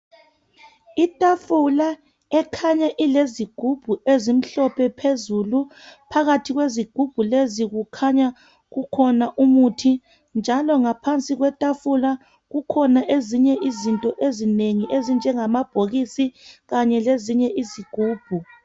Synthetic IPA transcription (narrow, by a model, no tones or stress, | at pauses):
itʼafula | ɛkʰaɲaʔileziɡ̥ʱub̥ʱuezim̩ɬɔpʰɛpʰezulupʰaɣatʰiɣweziɡ̥ʱub̥ʱuleziɣukʰaɲa | ɣukʰɔnaʔumutʰi | nd͡ʒʱalɔŋapʰant͡sʼiɣwɛtʼafula | ɣukʰɔnaʔeziɲɛʔizintʼɔʔezineŋiʔezind͡ʒʱɛŋamab̥ʱoɣisiɣaɲɛleziɲɛʔiziɡ̥ʱuːb̥ʱu